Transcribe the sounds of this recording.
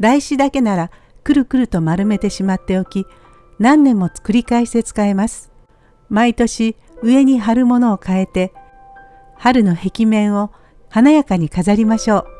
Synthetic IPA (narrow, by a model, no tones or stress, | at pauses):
d̪aiɕid̪ake̞naɾa | kɯ̟ɾɯ̟kɯ̟ɾɯ̟t̪o̞maɾɯ̟me̞t̪e̞ɕimat̪ːe̞o̞kʲi | nãnːẽ̞mːo̞t͡sɨ̥kɯ̟ɾʲikaeɕi̥t̪e̞t͡sɨ̥kae̞masɨ̥ | mait̪o̞ɕi | ɯ̟e̞ɲ̟iɦaɾɯ̟mo̞no̞ːkae̞t̪e̞ | haɾɯ̟no̞he̞kʲimẽ̞ɰ̃o̞ | hanajakaɲ̟ikazaɾʲimaɕo̞ː